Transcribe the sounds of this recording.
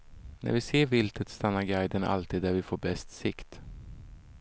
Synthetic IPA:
nʔæ̰ɾvɪseːɾvɪlt̪ʰət̪st̪anːaɾɡajd̪əna̰lt̪ʰiːd̪ːæɾvɪfoːɾbɛst̪sɪkt̪

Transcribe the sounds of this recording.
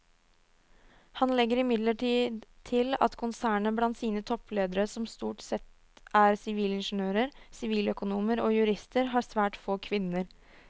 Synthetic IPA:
hɑnlɛɡːəɾɪmɪd̪ləʈiːd̪t̪ʰɪlɑ̰t̪kʰʊnsæːɳəblɑnt̪siːnət̪ʰɔpːleːd̪əɾəsɔmst̪uːʈsɛt̪ | ʔæɾsɪʋiːlɪnʂnøːɾəɾsɪʋiːlœkʊnuːməɾoːjʉɾɪst̪ʰəɾɦɑːɾsʋæːʈfoːkʰʋɪnːəɾ

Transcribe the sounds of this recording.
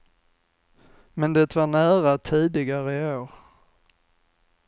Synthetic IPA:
mɛnd̪ɛt̪vaɳæːɾat̪ʰiːd̪ɪɡaɾəɪoːɾ

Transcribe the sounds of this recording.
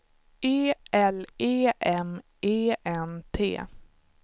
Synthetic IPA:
eːʔɛleːʔɛm | eːʔɛnt̪ʰḛː

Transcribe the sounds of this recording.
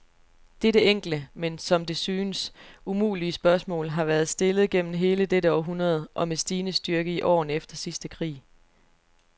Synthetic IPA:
d̥eɾəeŋ̰ɡ̥l̩əmensɒ̽md̥e̝syːnəsumṵːliəsb̥ɶɐsmɔ̰̽ːlɦɑ̈ʋæɐð̞̩ˠsd̥e̝lð̞̩ˠɡ̥en̰m̩ɦe̝ːləd̥eɾəɒʊɦunɐð̞̩ˠʔɒ̽mesd̥iːnəsd̥yɐɡ̥əiʔɒ̰ːnefd̥ɐsisd̥əkʰʁḭː

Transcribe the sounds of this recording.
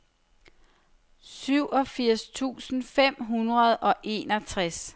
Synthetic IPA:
syʊ̰ʔɒ̽fiɐ̰st͡sʰṵːsn̩fem̰ɦunʁɐð̞ˠʔɒ̽ʔe̝ːnɒ̽t͡sʰʁas

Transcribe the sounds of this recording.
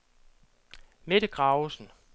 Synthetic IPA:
meɾ̥əɡ̥ʁɑ̈ʊsn̩

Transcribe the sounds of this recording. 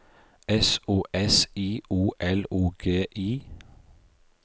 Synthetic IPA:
ɛsoːʔɛsiːʔuːʔɛluːɡ̥eːʔiː

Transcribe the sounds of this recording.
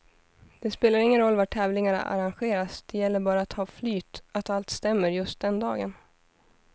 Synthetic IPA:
d̪̥ɛspeːlaɾɪŋːənɾɔlːvaʈʰɛːvlɪŋaɳa̰ʔa̰ɾanɧeːɾasd̪̥ɛjɛlːəɾbɑːɾaat̪hɑːflyːt̪at̪alt̪st̪ɛmːəɾjɵst̪̚d̪ɛnd̪ɑːɡən

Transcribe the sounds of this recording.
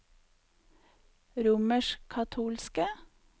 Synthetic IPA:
ɾuːməʃkʰɑt̪ʰuːlskə

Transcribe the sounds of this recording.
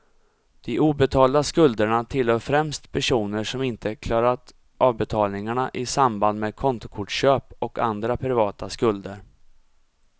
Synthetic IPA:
d̪̥ɪʔuːbɛt̪ʰɑːld̪askɵld̪əɳat̪ʰɪlhœːɾfɾɛmst̪pʰæʂuːnəʂɔmɪnt̪ʰəkʰlɑːɾat̪ | ʔɑːvbɛt̪ʰɑːlnɪŋaɳaʔɪsamband̪meːd̪̚kʰɔnt̪ʊkʰʊʈɕøːpɔka̰nd̪ɾapʰɾɪvɑːt̪askɵld̪əɾ

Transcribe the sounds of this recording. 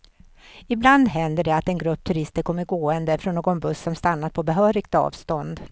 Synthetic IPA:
ɪbland̪ɦɛnd̪əɖɛat̪ɛnɡɾɵpːt̪ʰɵɾɪst̪əɾkʰɔmːəɾɡoːɛnd̪əfɾɔnːoːɡɔnbɵsːɔmst̪anːad̪̚pʰɔbɛɦœːɾɪɡ̥t̪ɑ̰ːvst̪ɔnd̪

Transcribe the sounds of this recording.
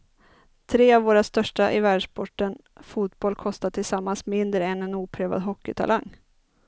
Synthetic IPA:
t̪ʰɾeːavvoːɾast̪œʂʈaʔɪvæːɖʂpɔʈːən | fuːt̪̚bɔlkʰɔst̪at̪ʰɪlsamːansmɪnd̪ɾəɛnɛnuːpʰɾɛːva̰d̪ɦɔkːɪt̪ʰa̰lʔaŋː

